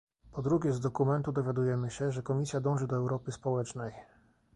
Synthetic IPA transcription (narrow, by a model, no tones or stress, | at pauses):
pɔd̪ɾuɡʲɛzd̪ɔkumɛnt̪ud̪ɔvʲjad̪ujɛmɘɕɛʐɛkɔmʲisʲjad̪ɔ̃w̃ʐɘd̪ɔɛwɾɔpɘspɔwɛt͡ʂnɛj